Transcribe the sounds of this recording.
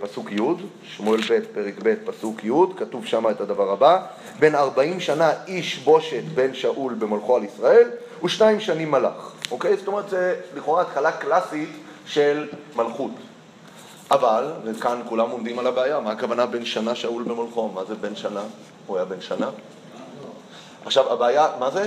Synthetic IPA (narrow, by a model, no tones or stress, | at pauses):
pasukjud̪ | ʃmoelbe̞t̚pe̞ʁekbe̞t̪̚pasukʰjudkatuvʃamaetadavaʁaba | be̞naʁbaimʃanaiʃbo̞ʃe̞t̪be̞nʃaʔulbe̞molχo̞alisʁae̞l | uʃnaimʃanimːala̰χʔo̞ke̞jzot̪o̞me̞ʁt̪zeliχo̞ʁaːtχalaklasit | ʃe̞lmalχut | ʔavalvekankulamo̞md̪imalabeajamaːkavanabe̞nʃanaʃaulbemolχo̞mazebe̞nʃana | uajabe̞nʃana | ʔaχʃavabeajamaze